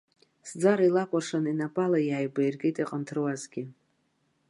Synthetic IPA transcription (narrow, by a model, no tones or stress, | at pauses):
sd͡zaɾailakʷʼarʂaninapʼalajajbajrɡʲejtʼiqʼəntʰɨrwazɡʲɪ